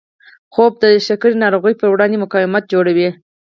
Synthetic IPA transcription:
xob̚d̪əʃakəɾinɑɾoɣəjpəɾwɽɑnd̪emʊkɑwɪmat̪̚d͡ʒoɽawi

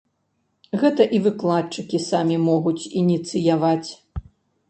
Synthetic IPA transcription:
ɣɛt̪ɐʔivɨklˠatt͡ʂɨkʲisamʲimɔɣut͡sʲinʲit̪sɨjavat͡sʲ

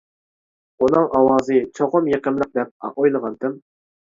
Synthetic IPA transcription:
unɨŋʔɑwɑːzɨt͡ʃʰoʁʊmjeqɨmlˠəq̚d̪ɛp̚ɑ̰ojlˠəʁɑnt̪ɪm

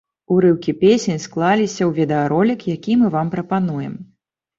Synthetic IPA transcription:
uɾɨwkʲipʲesʲenʲsklˠalʲisʲɐwvʲɛd̪ɐaɾɔlʲikjakʲimɨvampɾɐpanujɛ̰m

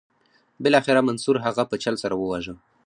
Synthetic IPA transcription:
bɪlɑxɪɾamansuɾɦaɣapət͡ʃalsaɾawəwaʒə

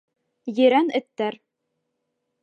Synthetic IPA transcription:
jɘ̆ɾænɘ̆t̪ːæɾ

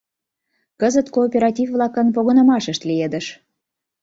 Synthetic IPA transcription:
kəzət̪koːpʲeɾɑtʲivvlɑkənp̬oɣɤnə̆mɑʃə̆ʃt̪lijed̪ə̆ʃ

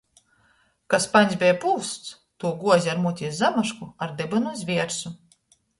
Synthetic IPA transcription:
kaspanʲz̬ʲbʲɛjpuːst̪s | t̪uɔɡuɔzʲaɾmut̪ʲiszamaʃkuaɾd̪ɛbɨnuzʲvʲiɛɾsu

